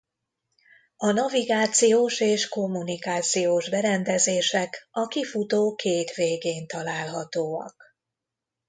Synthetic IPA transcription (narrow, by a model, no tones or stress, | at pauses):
ɒnɒviɡaːt̪sijoːʃeːʃko̞mːunikaːt̪sijoːʒbɛɾɛnd̪ɛzeːʃɛkɒkifut̪oːkeːt̪ʋeːɡeːnt̪ɒlaːlɦɒt̪oːɒ̰k